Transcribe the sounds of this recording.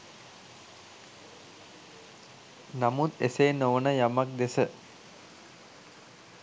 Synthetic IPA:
namut̪eseːnoʋnəjamak̚d̪esə

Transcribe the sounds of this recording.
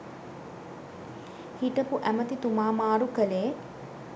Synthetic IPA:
hiʈəpuʔæmət̪it̪umaːmaːɾukəleː

